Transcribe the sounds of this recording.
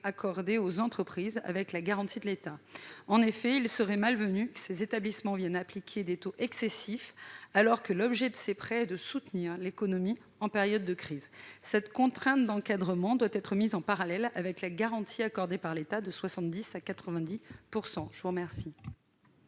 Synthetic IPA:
akɔʁd̪eozɑ̃t̪χəpχiza̰vɛklaɡaʁɑ̃t̪id̪əlet̪aɑ̃nefɛilsəʁɛmalvənykə̥sezet̪ablismɑ̃vjɛnaplikʲʰed̪et̪oʔɛksesifalɔʁkəlɔbʒɛd̪əsepχɛɛd̪əsut̪niʁlekɔnɔmi | ɑ̃pɛʁjɔd̪ːəkχiːzsɛt̪kɔ̃t̪χɛ̃t̪̚d̪ɑ̃kad̪ʁəmɑ̃d̪wat̪ɛt̪χəmizɑ̃paʁalɛlavɛklaɡaʁɑ̃t̪ʰiakɔʁd̪epaʁlet̪ad̪əswasɑ̃t̪̚d̪isakat̪χəvɛ̃d̪ipuʁsɑ̃ʒ̥əvuʁəmɛʁsi

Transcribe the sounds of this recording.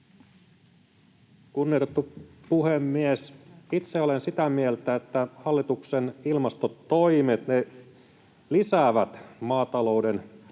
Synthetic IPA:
kunːiot̪et̪ːupuhemːiesit̪seolensit̪æmielt̪æet̪ːæhɑlːit̪uksenilmɑst̪ot̪o̞imet̪ne | lisæːʋæt̪mɑːt̪ɑlo̞uden

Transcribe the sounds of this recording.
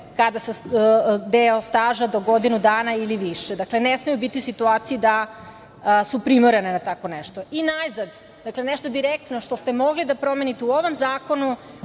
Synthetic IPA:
kad̪asu | d̪eost̪aːʒad̪o̞ɡo̞d̪inud̪aːnailiʋiʃed̪aklenesmijubit̪iusit̪uaːt̪sijid̪a | supɾimoɾenenat̪ako̞neʃt̪o̞inajzad̪ | d̪akleneʃt̪od̪iɾek̚t̪noʃt̪o̞st̪emo̞ɡlid̪apɾo̞menit̪euoʋo̞mzaːko̞nu

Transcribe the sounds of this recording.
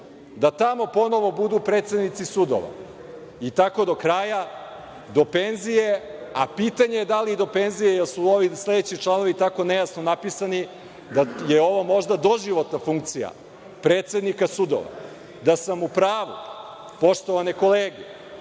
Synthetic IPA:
d̪at̪amo̞po̞no̞ʋo̞bud̪upɾeːt̪sed̪nit̪sisud̪o̰ʋa̰ | it̪ako̞d̪o̞kɾaja | d̪o̞pe̞nzije̞apiːt̪aɲejed̪aliid̪o̞penzijejelsuo̞ʋisle̞d̪et͡ɕit͡ʃlˠano̞ʋit̪ako̞ne̞jasnonapisani | d̪ajeo̞ʋomo̞ʒd̪ad̪o̞ʒiʋo̞t̪nafuŋkt̪sija̰ | pɾeːt̪se̞d̪nikasud̪o̰ʋa̰ | d̪asamupɾaːʋu | po̞ʃt̪o̞ʋane̞ko̞leːɡe

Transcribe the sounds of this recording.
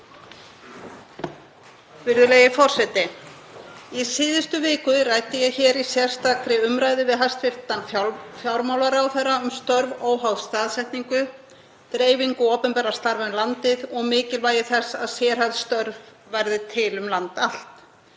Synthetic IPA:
vɪɾðʏleːjɪfɔr̥sɛt̪ɪ | isɪːðɪst̪ʏvɪːkʏrajt̪ɪjɛɣçɛːɾisjɛr̥st̪akɾɪʏmɾaːjðɪvɪðɦast̪fɪɾ̥t̪anfjawɾmawlaɾaːwθɛɾaʏmst̪œɾvoːwɦawðst̪aːðsɛht̪niŋkʏ | t̪ɾeːjviŋkʏɔːpɛmpɛɾaɾ̥st̪aɾvʏnlant̪ɪðɔɣmɪːcɪlvaːjɪθɛsːaðsjɛːɾ̥haðst̪œɾvː | ɛɾðɪt̪ʰɪlʏmlant̪al̥t̪

